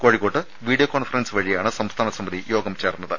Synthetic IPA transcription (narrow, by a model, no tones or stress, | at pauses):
ko̞ːɻikoːʈːɨ | ʋiːɽijokːoːnfɐrɐnsɨʋɐɻijaːɳɨsɐmst̪ʰaːnɐsɐmbɐðijo̞ːɡɐmt͡ɕeːrnːɐðɨ